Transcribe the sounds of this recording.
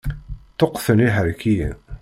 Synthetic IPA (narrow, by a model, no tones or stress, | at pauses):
t̪oqːθəniɦəɾkijḭ